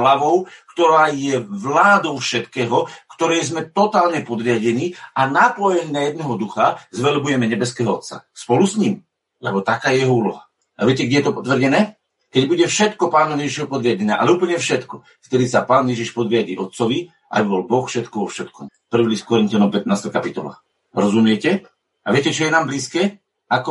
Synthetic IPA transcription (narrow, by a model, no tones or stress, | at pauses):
laʋɔʊkt̪ɔɾaːjɛʋlaːd̪ɔʊfʃɛt̪kɛːɦɔkt̪ɔɾɛjzmɛt̪ɔt̪aːlɲɛpɔd̪ɾɪaɟɛniʔanaplɔjɛnnajɛd̪̚nɛɦɔd̪uxazʋɛlbujɛmɛɲɛbɛskɛːɦɔɔt̪sa̰spɔlusɲiːm | lɛbɔt̪akaːjɛjɛɦɔuːlɔɦa | ʔaʋɪɛcɛɡɟʲɛjɛt̪ɔpɔt̪ʋrɟɛnɛː | kɛɟbuɟɛfʃɛt̪kɔpaːnɔmjɛʒiʃɔɦɔpɔd̪ɾɪaɟɛɲa̰ʔa̰lɛuːpl̩ɲɛfʃɛt̪kɔ | kt̪ɛɾiːsapaːnjɛʒiʃpɔd̪ɾɪaɟḭːʔɔt̪̚t͡sɔʋi | ʔa̰biʋɔlbɔxfʃɛt̪kɔʋɔfʃɛt̪kɔm | pr̩ʋiliskɔɾint̪ɪanɔmpɛt̪̚naːst̪ajkapit̪ɔ̰la̰ː | ɾɔzumɪɛcɛ | a̰ʋɪɛcɛt͡ʃɔjɛnaːmbliːskɛː | akɔ